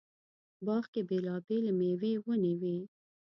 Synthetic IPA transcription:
bɑxkebelɑbelemewewəniwi

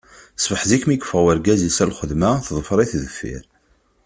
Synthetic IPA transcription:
sfəħzikmikːə̥fəʁwəɾɡæzisælχəðmæθðˤəfɾˤiθðəfːḭɾ

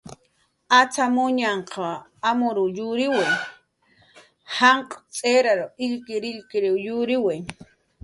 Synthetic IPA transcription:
at͡samʊɲaɴqʰɑamʊɾʊjʊɾɪwej | haɴqʼt͡sʼeɾaɾoɪʎkɪɾɪʎkɪɾɪwjʊɾɪwej

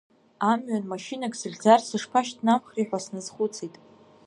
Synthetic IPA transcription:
amɥanmaʃinakʲʼsɨɮʲd͡zarsɨʂpʰaʃtnamχriħᶣʷasnɨzχʷʊt͡sʰitʼ

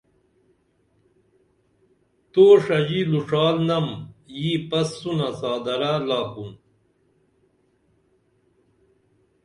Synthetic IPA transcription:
t̪oːʂɐd͡ʑiluʂaːlnɐmjiːpɐsːunɐsaːd̪ɐɾalaːkun

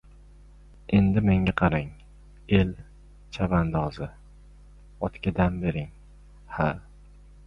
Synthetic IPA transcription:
end̪ɪme̞ŋʲaqʰɑɾaŋ | e̞l | t͡ʃʰavand̪ɒzɪ | ɒt̪kʲɪd̪anbe̞ɾɪŋ | ha

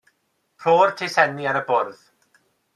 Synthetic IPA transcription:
pʰroːrtʰɪsɛniaɾəbʊrð

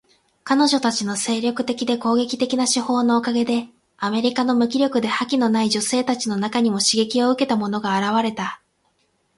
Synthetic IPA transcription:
kano̞ʑo̞t̪at͡ɕino̞se̞ːɾʲo̞kɯ̟̥t̪e̞kʲid̪e̞ko̞ːɡe̞kʲi̥t̪e̞kʲinaɕiho̞ːno̞ːkaɡe̞d̪e̞ | ame̞ɾʲikano̞mɯ̟kʲiɾʲo̞kɯ̟d̪e̞hakʲino̞naiʑo̞se̞ːt̪at͡ɕino̞nakaɲ̟imo̞ɕiɡe̞kʲio̞ɯ̟ke̞t̪amo̞no̞ɡaːɾaβaɾe̞t̪a

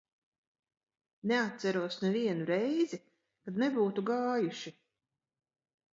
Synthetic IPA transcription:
nɛat̪sæɾuɔsnɛviɛnuɾɛjzi | kad̪nɛbuːt̪uɡaːjuʃi

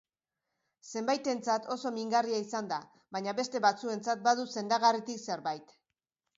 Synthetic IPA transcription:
se̞mbajt̪e̞nt͡sat̪o̞so̞miŋɡariaisand̪a | βaɲaβe̞st̪e̞βat͡sue̞nt͡sat̪̚baðuse̞nd̪aɣarit̪ikse̞ɾβajt̪

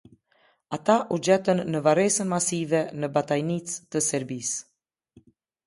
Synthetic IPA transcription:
at̪aʔud͡ʑɛt̪ənːəvaɾɛsənmasivɛnəbat̪ajnit͡st̪əsɛɾbis

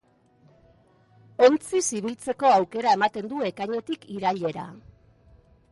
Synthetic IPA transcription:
o̞nt͡sisiβ̞ilt͡se̞ko̞awke̞ɾae̞mat̪e̞nd̪ue̞kaɲe̞t̪ikiɾaʎe̞ɾa̰

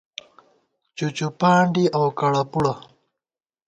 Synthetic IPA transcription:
t͡ɕut͡ɕupaːɳɖiʔawkaɽapuɽa

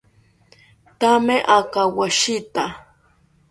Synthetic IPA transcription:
t̪ameʔakawaʃɪt̪a

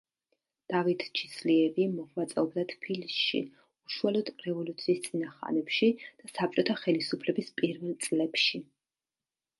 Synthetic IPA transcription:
d̪̥avit̪ʰt͡ʃʰi̥sliɛvimɔʁwat̪sʼɛɔbd̪at̪ʰpʰilisʃḭ | uʃualˠɔd̪ɾɛvɔlut̪sʰiːst̪sʼinaχa̰nɛpʃid̪̥asap̚t͡ʃʼɔt̪ʰaχɛlisupʰlɛbispʼiɾvɛlˠt̪sʼlɛpʃi

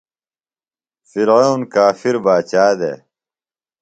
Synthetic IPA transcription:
fiɾounkaːfiɾbaːt͡ɕaːd̪ḛ

